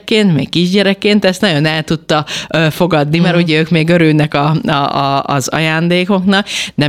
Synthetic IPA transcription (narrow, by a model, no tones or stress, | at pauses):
kːeːnt̪mḛːkːiʒɟɛɾɛkːeːnt̪ɛst̪nɒɟjo̞nɛlt̪ut̪ːɒøːfo̞ɡɒd̪nimɛɾuɟɛøːkmeːɡø̞ɾylnɛkɒɒːzɒ̰jaːnd̪eːko̞knɒknɛ